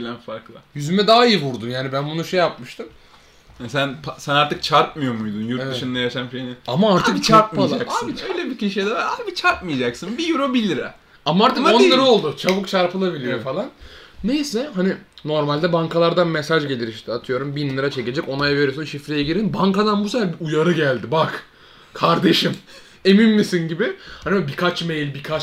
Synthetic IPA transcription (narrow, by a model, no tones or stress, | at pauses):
lʲænfaɾklˠajyzymɛd̪aːijivuɾd̪unjaːnibænbunuʃejapmɯʃt̪ʰɯm | jasænpʰasænaɾt̪ɯk̚t͡ʃʰaɾt̚mɯjomujd̪unjuɾtevʃɯnd̪ajaʃanʃejnɪamaaɾt̪ɯkt͡ʃʰaɾt̚malˠaakasiʃøjlʲɛbicʰiʃejd̪avaabit͡ʃʰaɾt̚mɯjad͡ʒaksɯnbijuɾobilʲiɾɛ | amaaɾt̪ɯkonːˠaɾɯo̞lˠd̪ut͡ʃʰaβukt͡ʃʰaɾpɯlˠabilʲijofalˠanː | ejsɛɦanino̞ɾmalʲd̪ɛbaŋkalˠaɾd̪anmesaʒɟe̞lʲiɾiʃt̪ʰiat̪ʰɯjo̞ɾumbinlːɯɾat͡ʃʰe̞ce̞d͡ʒɛco̞najave̞ɾijsɯnʃifɾejɛɟiɾinbaŋkad̪anbusɛfæɾbiujaɾɯɟælʲd̪ɪbak | kʰaɾd̪e̞ʃim | e̞minmːisinɟibɪhanʲibabikʰat͡ʃmejlʲbikʰat͡ʃ